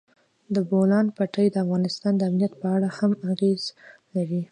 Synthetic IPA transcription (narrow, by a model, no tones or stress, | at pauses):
d̪əbolɑnpaʈəjd̪əafɣɑnɪst̪ɑnd̪əamnijat̪̚pəaɽahamaɣezlaɾi